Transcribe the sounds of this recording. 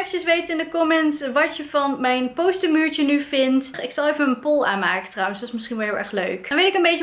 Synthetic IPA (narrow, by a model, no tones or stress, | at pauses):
fəəsʋejtɪndəkɔmɛntʋɑtəvɑnmɛjnpowstəmyːɹt͡ʃənyvɪntɪksɑlˠejvənənpɔlˠa̰ːnmaːkəntrʌwənsdɔtɪsmɪsχinʋɛlˠɦɪlˠɛ̰ɹχlø̰ɥknʋetɪkənbejtə